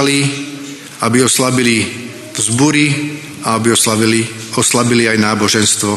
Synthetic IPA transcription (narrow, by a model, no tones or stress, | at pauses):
li | abiɔslabili | vzbuɾi | aabiɔi | ɔslabiliajnaːbɔʒɛnst̪ʋɔ